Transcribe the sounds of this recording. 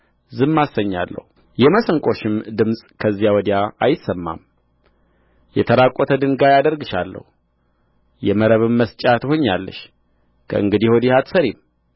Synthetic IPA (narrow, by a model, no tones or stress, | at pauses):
zɨmːasːəɲːa̰lːə̰hu | jɛməsəŋkʼo̞ʃɪmd̪ɨmsʼkʰəzːijawɔd̪ijaajɪsəmːa̰m | jɛt̪ʰəɾakʼot̪ʰəd̪ɨŋɡajad̪əɾɡɨʃalːə̰hu | jɛməɾəβɨmːəst͡ʃʼat̪ʰho̞ɲːalːə̰ʃ | kʰə̰ʔɨŋɡɨd̪iho̞d̪ihat̪səɾim